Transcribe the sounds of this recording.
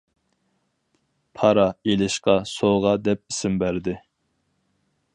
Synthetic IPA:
pʰɑɾɑelɪʃqɑsoʁɑd̪ɛp̚isɪmbæɾd̪ɪ

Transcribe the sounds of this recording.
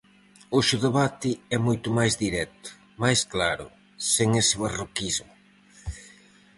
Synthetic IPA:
oʃuðeβat̪ɪɛmojt̪ʊmajzðiɾɛt̪ʊ̥ | majsklaɾʊ̰ | seŋesɪβarokizmʊ

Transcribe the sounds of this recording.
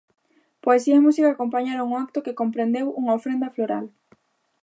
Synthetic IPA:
poesiaimusikaːkompaɲaɾoŋoak̚t̪okɪkompɾend̪ewuŋaofɾend̪ɐfloɾa̰l

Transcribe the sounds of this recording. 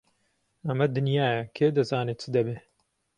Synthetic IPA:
ɐmɐd̪ɨnjaːjɐkʰeːd̪ɐzaːnet͡sɨd̪ɐbeː

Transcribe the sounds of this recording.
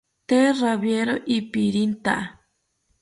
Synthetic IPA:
t̪eraβjeɾoʔipiɾint̪aʔa

